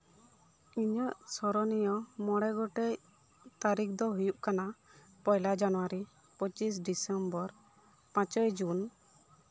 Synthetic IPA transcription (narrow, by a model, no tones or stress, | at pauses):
iɲəʔsɔɾɔnijɔmɔɽɛɡɔʈɛj | t̪aɾik̚ʰd̪ɔɦujuʔkana | pɔjlad͡ʒanɔwaɾi | pɔt͡ʃis̬ɖisɛmbɔɾ | pãt͡ʃɔjd͡ʒun